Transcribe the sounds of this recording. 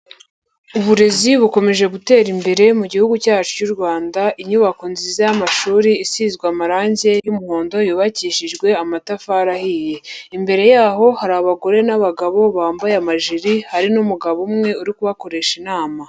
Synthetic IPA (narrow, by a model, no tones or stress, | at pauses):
uβuɾe̞ziβuko̞me̞ʒe̞ɡute̞ːɾimbe̞ɾe̞muɟihuɡucaːt͡ʃu̥cuɾɡwaːndaʔiɲuβako̞nzizajamaʃuːɾiisiːzɡwamaɾaːɲze̞jumuho̞ːndo̞juːβaciːʃiʒɡwe̞amatafaːɾahiːje̞imbe̞ɾe̞jaːɦo̞haɾaβaɡo̞ɾe̞naβaɡaβo̞βaːmbajamaʒiɾihaɾinumuɡaβomŋe̞uɾikuβako̞ɾe̞ʃinaːma